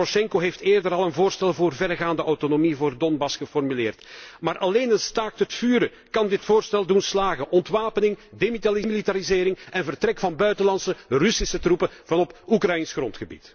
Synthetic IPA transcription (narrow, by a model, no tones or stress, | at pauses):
oʃɛŋkoɦefteːrdəɾɑlˠənvoːrstɛlˠvoːrvɛrɣaːndəʔɔwtonomivoːrdɔnbɑsxəfɔrmylɪːrtmaːɾʔɑleːnənstaːktətfyːɾə | kɑndɪtfoːrstɛlˠdunslaːɣənʔɔntʋaːpənɪŋdemitalimilitaɾizeːɾɪŋɛnvərtrɛkfɑnbœɥtəlɑnsərʏsisətrupəvɑnɔpukrɑjinsxrɔntxəbḭt